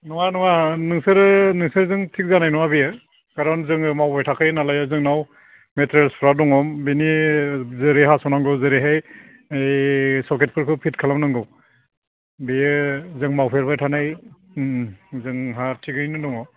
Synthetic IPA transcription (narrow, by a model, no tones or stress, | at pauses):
nɔŋanɔŋanɯŋsɯɾɯnɯŋsɯɾzɯŋtʰik̚zanajnɔwabijɯ | kaɾɔnzɯŋɯmawbajtʰakʰɯjnalajazɯŋnaw | metʰɾelspʰɾadɔŋɔmbinizɯɾeɦasɔnaŋɡɯwzɯɾeɦaj | jsɔkʰet̚pʰɯɾkʰɯpʰitkʰalamnɯŋɡɯw | bijɯzɯŋmawpʰeɾbajtʰanaj | zɯŋɦatʰiɡɯjnɯnɔŋɔ